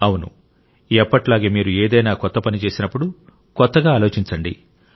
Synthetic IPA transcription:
ɐwunṵ | ɛpːɐʈlaːɡe̞ːmiːɾueːd̪ɐjnaːkɔt̪ːɐpɐnit͡ʃe̞ːsinɐpːuɽu | kɔt̪ːɐɡaːlo̞ːt͡ʃiɲt͡ʃɐɳɖḭ

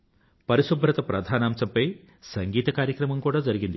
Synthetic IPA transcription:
pɐɾiʃubʱɾɐt̪ɐpɾɐd̪ʱaːnaːmsɐmpɐj | sɐŋɡiːt̪ɐkaːɾjɐkɾɐmɐmkuːɽaːd͡ʒɐɾiɡind̪i

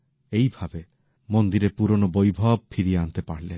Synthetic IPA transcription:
ejbʱabe | mɔnd̪iɾepuɾɔnɔbojbʱab̚pʰiɾiant̪epaɽile

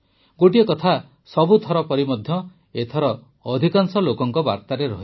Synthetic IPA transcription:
ɡoʈiekɔt̪ʰa | sɔbut̪ʰɔɾɔpɔɾimɔd̪ʱjɔ | et̪ʰɔɾɔː | d̪ʱikaŋsɔlokɔŋkɔba̰ɾt̪aɾeɾɔɦi

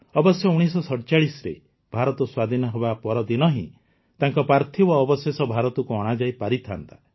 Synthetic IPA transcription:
ɔbɔsjɔuɽ̃isɔsɔɽt͡ʃaɭisɔɾḛ | b̥ʱaɾɔt̪ɔswad̪ʱinɔɦebapɔɾɔd̪inɔɦḭ̃ | t̪aŋkɔpɾaɾt̪ʰibɔːbɔsesɔbʱaɾɔt̪ɔkuɔɽ̃ad͡ʒajpaɾit̪ʰa̰nt̪a

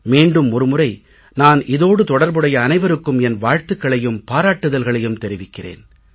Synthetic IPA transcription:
meːɳɖɯmɔɾɯmɯrɐɪ | naːnʔɪðoːɽɯt̪ɔɽɐɾbɯɽɐjɐːnɐɪʋɐɾɯkːɯmɛnʋaːɻt̪ɯkːɐɭɐjɯmpaːɾaːʈːɯðɐlɣɐɭɐjɯmt̪ɛɾɪʋɪkːɪrḛːn

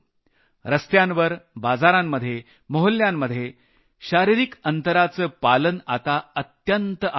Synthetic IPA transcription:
ɾəst̪jãnʋəɾbad͡zaɾãmːəd̪ʱje | məɦəljamːəd̪ʱje | ɕaɾiɾikənt̪əɾat͡səːpalənat̪aət̪jənt̪əʔ

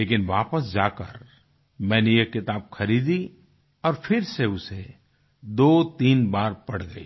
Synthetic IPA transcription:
leːkɪnʋaːpəsd͡ʒaːkə̰ɾ | mɛ̃ːnejekːɪt̪aːb̚xɐɾiːd̪i | ɔːɾfʰɪɾseʊse | d̪oːt̪iːnbaːɾpɐɽ̤ɡɐḭː

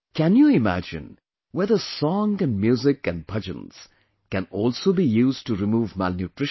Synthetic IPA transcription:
kæ̃njuɪmæ̰d͡ʒɪ̰̃n | wɛd̪əsɔ̃ŋɛ̃nmjuːzɪkæ̃n̚pʰʌd͡ʒə̰̃ns | kɛ̃nɔːlsoːbijuːzʈuɾɪmuːvmælnjuʈɾɪʃ

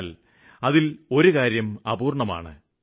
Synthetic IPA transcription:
l | ɐðilo̞ɾukaːɾjɐmɐbuːrɳɐma̰ːɳɨ̰

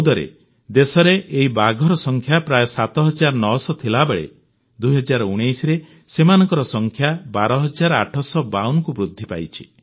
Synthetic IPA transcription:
d̪ɔɾḛ | d̪esɔɾeʔeɦibaɡʱɔɾɔsɔŋkʰjapɾajɔsat̪ɔɦɔd͡ʒaɾɔnɔsɔt̪ʰilabeɭḛ | d̪ujɦɔd͡ʒaɾɔuɽ̃ejsɾe | semanɔŋkɔɾɔsɔŋkʰjabaɾɔɦɔd͡ʒaɾaʈʰɔsɔbawnɔkubɾud̪ʱːipa̰jt͡ʃʰi̥

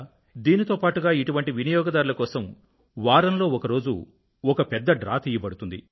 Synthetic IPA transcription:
d̪iːnit̪oːpaːʈuɡaːiʈuʋɐɳʈiʋinijɔːɡɐd̪aːɾulɐkɔːsɐm | ʋaːɾɐnlo̞ːɔkɐɾo̞ːd͡ʒṵ | ɔkɐpɛd̪ːɐɖɾa̰ːt̪iːjɐbɐɽut̪und̪ḭ

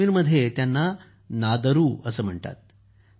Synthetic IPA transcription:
iːnməd̪ʱːjet̪janːa | nad̪əɾuːəsəːm̤əɳʈ̪a̰t̪̚

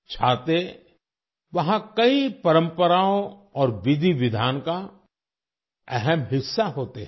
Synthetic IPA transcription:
t͡ʃʰaːt̪e | ʋɐɦãkɐipɐɾə̃mpəɾaːõɔːɾʋɪd̪ʱiʋɪd̪ʱaːnka | ɛɦɛmɦɪsːaɦoːt̪eɦ

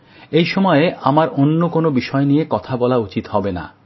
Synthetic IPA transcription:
ejʃɔmɔeeamaɾonːokonobiʃɔenijekɔt̪ʰabɔlaut͡ɕit̪hɔbena̰

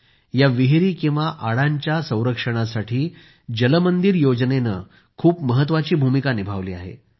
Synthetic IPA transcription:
jaʋiɦɾiːkĩw̃ʋaʔaɽaɲt͡ɕjasə̃w̃ɾəkʂəɽ̃asaʈʰiː | d͡ʑələmənd̪iɾjod͡znenə | kʰuːpməɦət̪ʋat͡ɕiːbʱumikanibʱaʋliːa̰ɦḛ

